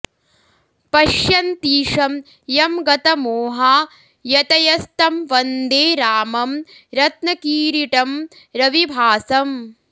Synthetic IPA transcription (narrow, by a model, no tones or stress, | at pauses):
pɐʃjɐnt̪iːʂɐm | jɐmɡɐt̪ɐmoːɦaː | jɐt̪ɐjɐst̪ɐmʋɐnd̪eːɾaːmɐm | ɾɐt̪nɐkiːɾiʈɐm | ɾɐʋibʱaːsɐm